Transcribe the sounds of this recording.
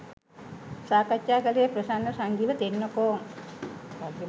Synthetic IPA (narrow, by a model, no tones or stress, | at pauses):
saːkat͡ʃːaːkəlijəprəsanːəsaŋɡiʋət̪enːokoːŋ | aɡi